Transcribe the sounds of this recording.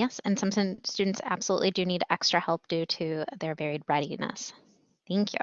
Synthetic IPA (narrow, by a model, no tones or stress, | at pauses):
jɛsɨ̃nsʌ̃msɨ̃stʉdⁿn̩tsæ̰b̥səlṵʔˡlidɨjɨniɾʔɛkstɹ̥ɨhɛlˠp̚d̥ʉɾɨðə˞vɛɹid̚ɹɛɾinə̰s | θæ̃ŋkʰjʉ̰